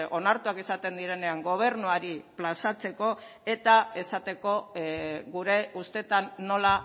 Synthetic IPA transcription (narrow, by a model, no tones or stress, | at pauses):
o̞naɾt̪uakesat̪e̞nd̪iɾe̞ne̞aŋɡo̞β̞e̞ɾnuaɾiplasat͡se̞ko̞ | e̞t̪ae̞sat̪e̞ko̞ | ɣuɾe̞ʔust̪e̞t̪anːo̞la